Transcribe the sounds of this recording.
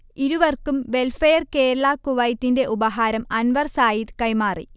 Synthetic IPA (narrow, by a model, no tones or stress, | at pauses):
iɾuʋɐrkumʋe̞lfɐjɐrke̞ːɾɐɭakuʋɐjtːinde̞ʔubɐɦaːɾɐmɐnʋɐrsaːjit̪kɐjmaːrḭ